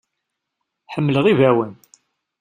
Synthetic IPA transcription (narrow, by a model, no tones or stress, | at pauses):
ħəmːləʁivæwən